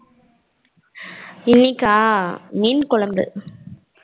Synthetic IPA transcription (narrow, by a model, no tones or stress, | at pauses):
ɪnːikaːmiːnkʊɭɐmbɯ̰